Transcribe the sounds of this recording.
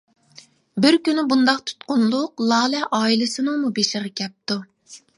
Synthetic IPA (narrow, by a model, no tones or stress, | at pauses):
bɪɾkʲynɪbund̪ɑqt̪ʰu̥t̪qʊnlˠʊqlˠɑːlɛʔɑːilɪsɨnɨŋmubeʃɪʁɑkʲʰɛp̚t̪u